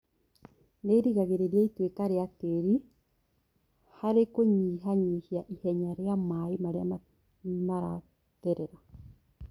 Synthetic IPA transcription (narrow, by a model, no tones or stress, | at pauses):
neɾiɣaɣeɾeɾjaitwekaɾeateɾi | haɾekoɲiɦaɲiːhiaʔihɛɲaɾeamaimaɾeama | maɾa̰ | tɛɾɛɾa